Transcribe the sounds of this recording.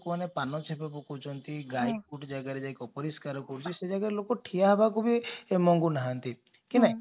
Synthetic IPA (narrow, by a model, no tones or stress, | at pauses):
kɔmanepanɔt͡ʃʰepɔbɔkut͡ʃʰɔnt̪iɡajkuʈd͡ʒaɡaɾed͡ʒajkɔpɔɾiskaɾɔkɔɾut͡ʃʰised͡ʒaɡaɾelokɔʈʰiaɦebakubʱiemɔŋɡunaɦãnt̪i | kinã